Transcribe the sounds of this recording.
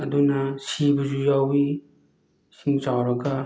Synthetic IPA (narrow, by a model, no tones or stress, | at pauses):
ɐdunɐsibuzujawbi | siŋt͡ʃawɾɐɡɐ